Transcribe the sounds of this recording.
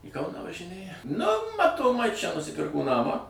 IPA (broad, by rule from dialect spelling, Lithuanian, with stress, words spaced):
iː ˈkɐʊnɑː ʋɐʒʲɪˈnʲeːjɛ nʊ mɐtoːˈmɐɪ t͡ʃʲɛ nʊsʲɪˈpʲɪrkoː ˈnɑːmɑː